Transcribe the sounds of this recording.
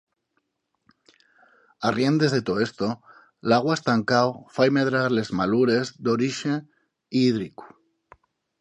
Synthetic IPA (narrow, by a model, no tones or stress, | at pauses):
arje̞nd̪e̞zðe̞t̪oe̞st̪o | laɣ̞waest̪aŋkawfajmeðɾaɾle̞zmaluɾe̞zd̪oɾiʃe | iːðɾiku̥